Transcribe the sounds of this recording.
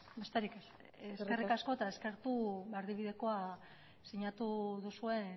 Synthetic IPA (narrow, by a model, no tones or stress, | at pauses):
best̪eɾikes | eske̞rikasko̞t̪ae̞ske̞ɾt̪uβeaɾðiβ̞iðe̞ko̞a | siɲat̪uðusue̞